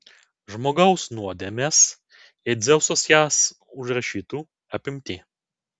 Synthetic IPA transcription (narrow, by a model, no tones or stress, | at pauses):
ʒmoːɡɐʊsnuɔd̪ʲemʲeːs | ɪd̪zʲɛʊsoːsjæs | ʊʒɾɐʃʲiːt̪uː | ɐpʲɪmʲt̪ʲiː